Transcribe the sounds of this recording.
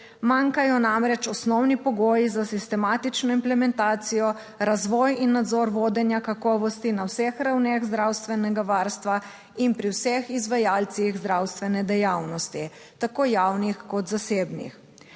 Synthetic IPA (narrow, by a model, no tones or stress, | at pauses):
maŋkajɔnamɾɛt͡ʃɔsnɔwnipɔɡoːjizasist̪ɛmaːt̪it͡ʃnɔimplɛmɛnt̪aːt̪sijɔ | ɾazʋɔːjinːad̪zɔɾʋoːd̪ɛnjakakɔːʋɔst̪inawsɛxɾawneɣzd̪ɾawst̪ʋɛnɛɡaʋaɾst̪ʋa | inpɾiwsɛxizʋajaːlt̪siɣzd̪ɾawst̪ʋɛnɛd̪ɛjawnɔst̪i | t̪akoːjawnixkɔt̪zaseːbnḭx